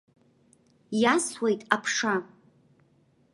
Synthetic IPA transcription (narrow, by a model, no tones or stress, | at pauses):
jaswe̞jtʼapʰʂa